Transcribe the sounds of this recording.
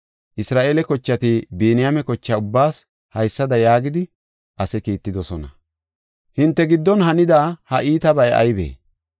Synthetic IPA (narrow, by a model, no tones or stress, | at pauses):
ʔɪsɾaːʔeːlɛkɔt͡ʃːɐt̪ibiːnɪjamɛkɔt͡ʃːɐʊbːaːs | hɐjsːɐd̪ɐjaːɡɪd̪ɪ | ʔɐsɛkiːt̪ːɪd̪ɔsɔnɐ̰ | hɪnt̪ːɛɡɪd̪ːɔnhɐnɪd̪aːhɐʔiːt̪ɐbɐjɐ̰jbḛː